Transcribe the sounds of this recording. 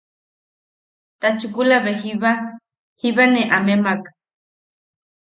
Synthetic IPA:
t̪at͡ʃukulaβeɦiβa | hiβaneʔamemak

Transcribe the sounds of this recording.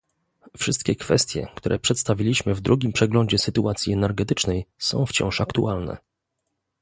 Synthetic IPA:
fʂɘst̪̚kʲɛkfɛst̪ʲjɛ̰kt̪uɾɛpʂɛt̪st̪avʲilʲiɕmɘvd̪ɾuɡʲimpʂɛɡlɔɲd͡ʑɛsɘt̪uʔat̪sʲjiɛnɛɾɡɛt̪ɘt͡ʂnɛjsɔ̰̃w̃ft͡ɕɔ̰̃w̃ʂakt̪uʔalnɛ̰

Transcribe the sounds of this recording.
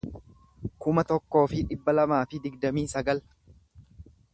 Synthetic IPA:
kʊmɐt̪ɔkːo̞ːfɪᶑɪbːɐlɐmaːfɪd̪ɪɡd̪ɐmiːsɐɡɐl

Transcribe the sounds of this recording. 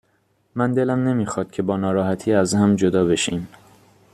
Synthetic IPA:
mænd̪e̞læmne̞miːxɒːd̪̥̚cʰe̞bɒːnɒːɾɒːhæt̪ʰiːæzhæmd͡ʒod̪ɒːbe̞ʃiːm

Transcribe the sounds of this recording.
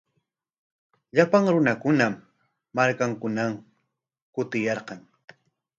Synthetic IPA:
ʎapaŋɾʊnakʊnaː | aɾkaŋkʊnam | kʊt̪ɪjɑɾqɑŋ

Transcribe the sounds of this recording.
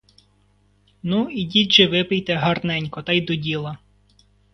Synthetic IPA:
nuidʲit͡ʃɪʋɪpɪjt̪ɛɦɐrnɛnʲkɔt̪ɑjd̪ɔdʲilˠɐ

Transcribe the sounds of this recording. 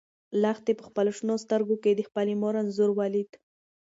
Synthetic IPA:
lɑxt̪epəxpaloʂnost̪əɾɡoked̪əxpalimoɾanzuɾwɑlid̪

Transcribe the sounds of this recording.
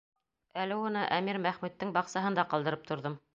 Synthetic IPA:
ælɘunɤʔæmiɾmæχmʉt̪ːɘŋbɑqsɑɦɤ̆nd̪ɑqɑlˠd̪ɤ̆ɾɤp̚t̪ʰŏɾðɤm

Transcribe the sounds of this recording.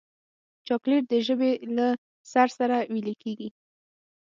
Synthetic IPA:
t͡ʃɑkleʈ̚d̪əʒəbela | saɾsaɾawiləkʰeɡi

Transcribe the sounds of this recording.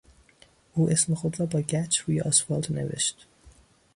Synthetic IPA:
uːʔesmexod̪ɾɒːbɒːɟæt͡ʃʰvujʔɒ̰sfɑld̪nḛvḛʃt̪

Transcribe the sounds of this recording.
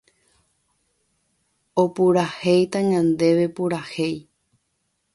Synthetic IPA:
opuɾahejt̪ãɲãnd̪e̞ʋe̞puɾahej

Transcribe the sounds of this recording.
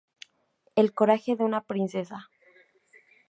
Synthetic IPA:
elko̞ɾaxe̞ðeunapɾinse̞s̬a

